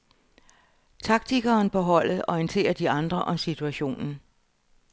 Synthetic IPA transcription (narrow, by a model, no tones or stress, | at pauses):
t͡sʰɑ̈ɡ̥̚t͡sʰiɡ̥ɐːnpʰeɦɒ̽l̰ð̩ˠɒint͡sʰe̝̰ːɐd̥iɑ̈nd̥ʁɐʔɒ̽msit͡sʰuæɕo̝̰ːnn̩